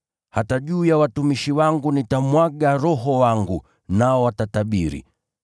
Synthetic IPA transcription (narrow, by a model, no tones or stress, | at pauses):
hataʄuːjawatumiʃiwaŋɡunitamwaɡaɾɔɦɔwaŋɡu | naɔwatataɓiɾḭ